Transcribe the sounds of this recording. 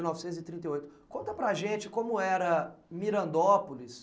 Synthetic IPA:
nɔvsẽt̪ʊzɪt̪ɾĩt̪ejojt̪ʊ̥kõnt̪ɐpɾɐʒẽt͡ʃɪkõmʊɛɾɐmiɾɐ̃nd̪ɔpolis

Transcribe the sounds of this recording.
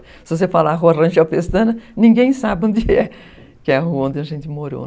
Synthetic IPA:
sɪvos̬efalaɦuɐrɐ̃ʒɐfest̪ɐ̃nɐnĩŋɡẽj̃sabɪõnd̪ɪɛ | kɪɛɐɦuɐõnẽɐʒẽnt̪ɪmoɾo̰

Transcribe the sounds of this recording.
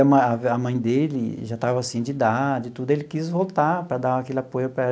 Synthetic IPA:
ɐmɐ̃aɐmɐ̃j̃d̪elɪʒat̪avɐasĩd͡ʒɪd̪ad͡ʒɪt̪ud̪ʊelɪkizvowt̪apɾɐd̪ãakelɪapojʊpɾɐɛ

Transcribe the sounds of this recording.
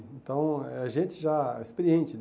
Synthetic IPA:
ẽnt̪ɐ̃w̃ɛaʒẽt͡ʃɪʒaespeɾiẽnt͡ʃɪn

